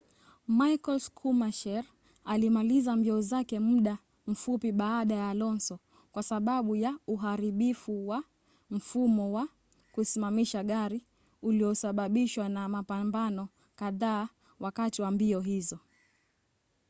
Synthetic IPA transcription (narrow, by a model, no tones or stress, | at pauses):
maikɔlskʰumaʃɛɾ | alimalizambiɔzakɛmuɗa | m̩fupiɓaːɗajalɔnsɔ | kwasaɓaɓujauɦaɾiɓifuwa | m̩fumɔwa | kusimamiʃaɠaɾi | uliɔsaɓaɓiʃwanamapambanɔ | kaðaː | wakatiwambiɔɦizɔ